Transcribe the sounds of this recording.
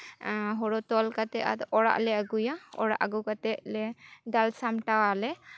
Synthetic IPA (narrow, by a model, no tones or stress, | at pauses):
ɦɔɽɔt̪ɔlkat̪ɛa̰t̪ɔɽa̰ʔlɛaɡujaɔ̰ɽa̰ʔaɡukat̪ɛʔlɛd̪alsamʈawalɛ